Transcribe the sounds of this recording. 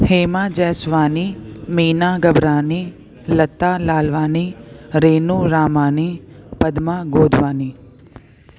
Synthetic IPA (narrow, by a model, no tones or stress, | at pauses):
heːmaːd͡ʒɛːsʋaːnimiːnaːɡɐbɾaːni | lɐt̪ːaːlaːlʋaːniɾeːnuːɾaːmaːnipɐd̪maːɡoːd̪ʱʋaːniː